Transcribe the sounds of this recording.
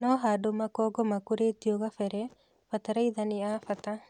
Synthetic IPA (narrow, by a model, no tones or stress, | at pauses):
nɔɦadomakɔːɡɔmakuɾetjoɣafɛɾɛ | fat̪aɾaiðanɪafat̪a